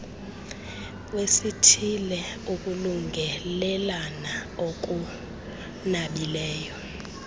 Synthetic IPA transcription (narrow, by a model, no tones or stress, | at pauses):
wesitʰilɛuk̬ʼuluŋɡʱɛlɛlanaok̬u | naɓilɛːjɔ